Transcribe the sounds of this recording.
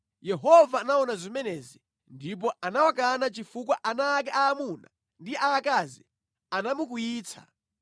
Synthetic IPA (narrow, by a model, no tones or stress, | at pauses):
jɛɦɔvaːnaɔnazimɛnɛzi | ndip̬ɔʔanawak̬anat͡ʃifukwaʔanaːk̬ɛʔaːmuna̰ | ndiʔaːkazi | anamukujiːt͡sʰa̰